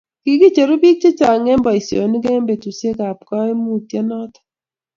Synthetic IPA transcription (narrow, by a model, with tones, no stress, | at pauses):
ki˨ki˦t͡ʃe˨ɾu˦bi˦k̚t͡ʃe˦t͡ʃa˨ŋe˦mbɔ˨i˨sjo̰˨ni˦ke˦mbe˨tu˨se˦ka˨p̚kɔ˦e˦mu˦˨tje˦nɔ˦tɔ̥˨˦